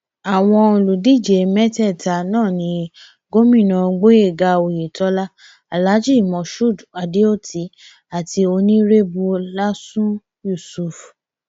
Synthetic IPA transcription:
a˨w̃ɔ̃˧o˧lu˨di˦˨d͡ʒe˨mɛ˦tɛ˦˨ta˧˨nãː˦˨nĩ˧˦ | ɡo˦mĩ˦˨nã˧˨˧ɡ͡bo˦e˦˨ɡa˧o˨je˨tɔ˦la˦ | a˨la˨˦d͡ʒi˦˨mɔ̃˧˨ʃu˦˨da˨di˦o˦˨tʰi˨˦ | a˨tʰi˧o˧nĩ˦ɾe˦bu˧la˦sũ˦ | ju˦˨su˨f

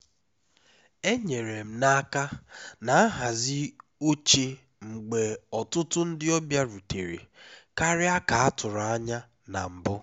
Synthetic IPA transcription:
e˦ɲe˨ɾe˨m̩˦na˦ka˦na˨a˦ɦa˨zɪ˦o˦t͡ʃe˦ | ŋ͡m̩˨ɡ͡be˨ɔ˨tʊ˦tʊ˦n̩˦dɪ˦ɔ˦bja˦ɾu˨te˨ɾḛ˨ka˦ɾɪ˦a˦ka˨a˦tʊ˨ɾʊ˨a˦ɲa˦ | na̰˨m̩˨bʊ˦

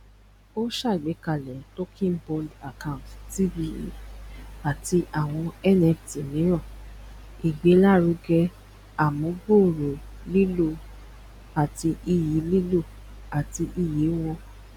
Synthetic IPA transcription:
o˦ʃa˦˨i˨ɡ͡bɛ˨˦ka˨lɛ˨to˦kʰĩ˦n˦bɔ˧da˨kã˦˨tti˦vi˧˦ḛ˦˨a˨ti˧ʔa˦˨w̃ɔ̃˧ɛ˦nɛ˧fti˨nĩ˨˦ɾ̃ã˦˨ | i˨ɡ͡be˨˦la˦˨ɾu˨˧ɡɛ˧ | a˨mõ˨˦ɡo˦˨ɾo˨ | li˦lo˧ | a˨ti˧ʔi˧ji˨˦li˦lo˦˨ | a˨ti˧ʔi˧ji˨˦w̃ɔ̃˧

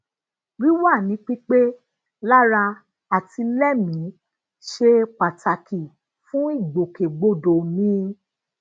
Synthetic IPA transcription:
ɾi˦wa˦˨nĩ˨˦k͡pi˦k͡pe˦ | la˦ɾa˧ | a˨ti˧lɛ˦mĩ˨˦ | ʃe˧k͡pa˨ta˨kʰi˨ | fũ˦i˦˨ɡ͡bo˨ke˨ɡ͡bo˦˨do˨mĩ˦˧

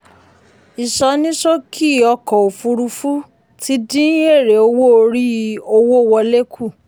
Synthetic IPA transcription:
i˨ʃɔ˧˦nĩ˦ʃo˦kʰi˦˨ɔ˧kɔ˨o˨fu˧ɾu˧fu˦ | ti˦dĩ˦e˦˨ɾe˨o˧wo˦o˧ɾi˦˧˦o˧wo˦˨wɔ˧le˦kʰu˦˨

